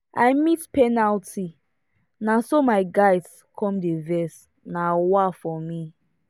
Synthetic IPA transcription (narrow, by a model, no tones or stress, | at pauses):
ajmitpɛnaltʰi | nasomaɪɡaɪds | kʰɔ̃mdevɛs | nawafɔmi